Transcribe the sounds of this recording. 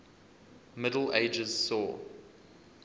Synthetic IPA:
mɪdəl̩eɪd͡ʒəz̥sɔː

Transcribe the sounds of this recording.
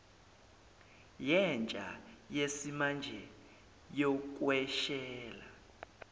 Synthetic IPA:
jɛnt͡ʃʼa̰jesimand͡ʒʱɛ | jɔk̬ʼwɛʃɛːla

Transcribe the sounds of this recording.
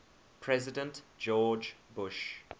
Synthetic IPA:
pʰɹɛzɪdə̃ntd͡ʒɔːd͡ʒbʊʃ

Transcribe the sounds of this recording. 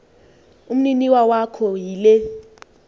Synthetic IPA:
um̩niniwawakʰɔjilɛ

